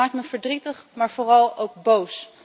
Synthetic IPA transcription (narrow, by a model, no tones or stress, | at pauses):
aːk̚tməvəɹdritəχmaːɹv̥ʊːrɑlˠowɡ̚bows